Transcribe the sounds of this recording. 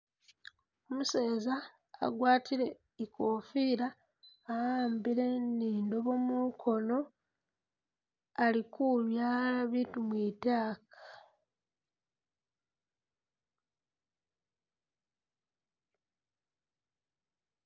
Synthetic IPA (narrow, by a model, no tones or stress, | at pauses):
omuseːza̰ː | ɡwaːtʰiɾe̞ | ikoːfiɾaː | jaːmbiɾeniːndo̞βo̞mukʰo̞no̞ | alikuβjaːlaβiːtumwiːtaːkḁ